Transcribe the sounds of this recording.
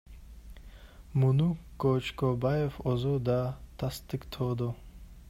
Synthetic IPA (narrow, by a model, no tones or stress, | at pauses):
munukoːt͡ʃkɔbajefɔzud̪at̪ʰast̪ikt̪ʰoːd̪ɔ